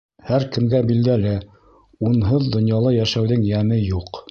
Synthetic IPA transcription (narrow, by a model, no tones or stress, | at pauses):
hæɾkɘ̆mɡæbild̪ælɘ | unɦɤðd̪ŏnjɑlˠɤjæʃæwðɘŋjæmɘjuq